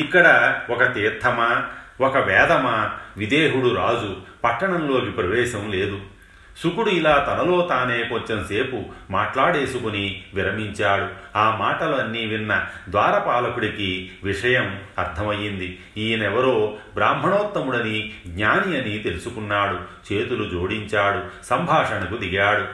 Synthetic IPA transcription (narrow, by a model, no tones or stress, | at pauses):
ikːɐɽɐɔkɐt̪iːɾt̪ʰːɐmɐwɔkɐʋɛːd̪ɐmɐʋid̪eːɦuɽuɾaːd͡ʒupɐʈːɐɳɐmlo̞ːkipɾɐʋɛːʃɐmle̞ːd̪u | sukuɽuilaːt̪ɐnɐlo̞ːt̪aːne̞ːkoɲt͡ʃɐnɐse̞ːpumaːʈlaːɽe̞ːsukuniʋiɾɐmiɲt͡ʃaːɽuaːmaːʈɐlɐnːiʋinːɐd̪ʋaːɾɐpaːlɐkuɽikiʋiʂɐjɐmɐɾt̪ʰɐmɐjːind̪i | iːnɛʋɐɾo̞ːbɾaːmbʱɐɳoːt̪ːɐmuɽɐniɡɲaːnijɐnit̪e̞lusukunːaːɽut͡ʃeːt̪ulud͡ʒo̞ːɽiɲt͡ʃaːɽusɐmbʱaːʂɐnɐkud̪iɡaːɽu